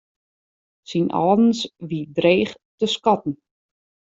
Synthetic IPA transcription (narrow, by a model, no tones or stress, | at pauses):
sinʔɔ̰ːdn̩sʋidreːχtəskɔtn̩